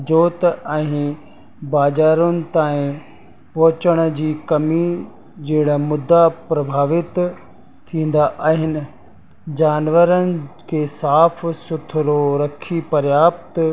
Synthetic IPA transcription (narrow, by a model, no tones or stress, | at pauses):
d͡ʑoːt̪ɛ̃ː | baːzaːɾʊnɪ̆t̪aːĩ | pɐɦʊt͡ɕəɽ̃ə̆d͡ʑiːkɐmi | d͡ʑeːɽamʊd̪ːapɾɐbʱaːʋɪt̪ | t̪ʰːĩːn̆d̪aʔaːɦɪnɪ̆ | d͡ʑaːnʋəɾənɪ̆kʰeːsaːfsʊt̪ʰɾoɾɐkʰipɐɾjaːp̚t̪